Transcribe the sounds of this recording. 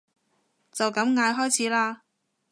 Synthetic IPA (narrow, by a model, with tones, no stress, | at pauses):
t͡sɐ˨wkɐ˨˧˥mŋaː˨˧jɦɔː˥jt͡sʰiː˨˥laː˧